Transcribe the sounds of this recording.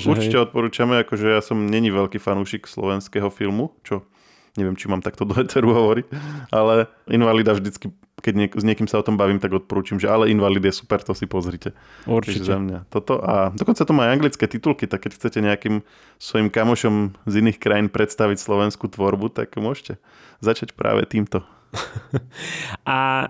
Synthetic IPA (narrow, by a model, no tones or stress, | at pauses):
uɾt͡ʃicɛɔt̪̚pɔɾuːt͡ʃamɛakɔʒɛjasɔmɲɛɲiʋɛʎkiːfanuːʃikslɔ̰ʋɛnskɛɦɔfilmut͡ʃɔ | ɲɛʋɪɛmt͡ʃimaːmt̪akt̪ɔd̪ɔʋɛt͡sɛɾuɦɔʋɔɾicʔalɛ | inʋalid̪avʒd̪it͡ski | kɛɟɲɛkzɲɪɛkiːmsaɔt̪ɔmbaʋiːmt̪aɡɔt̪̚pɔɾuːt͡ʃimʒɛalɛinʋaliːd̪jɛsu̥pɛɾt̪ɔsipɔzɾiːcɛ | uɾiʒɛzamɲat̪ɔt̪ɔʔad̪ɔkɔnt͡sat̪ɔmajaŋɡlitt͡skɛːt̪it̪ulkit̪akːɛcxt͡sɛcɛɲɛakim | sʋɔimkamɔʃɔmziniːxkɾajiːnpɾɛt̪st̪aʋicslɔʋɛnskuːt̪ʋɔɾbut̪a̰kmʊɔʃcɛ | zat͡ʃacpɾa̰ːʋɛ̰t̪iːmt̪ɔ | ʔa